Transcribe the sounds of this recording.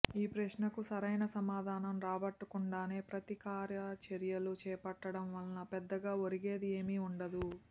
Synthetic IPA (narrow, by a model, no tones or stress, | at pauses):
iːpɾɐʃnɐkusɐɾɐjnɐsɐmaːd̪ʱaːnɐmɾaːbɐʈːukuɳɖaːne̞ːpɾɐt̪ikaːɾjɐt͡ʃeɾjɐlut͡ʃɛːpɐʈːɐɽɐmʋɐlnɐpɛd̪ːɐɡaːoɾiɡe̞ːd̪ie̞ːmiuɳɖɐd̪u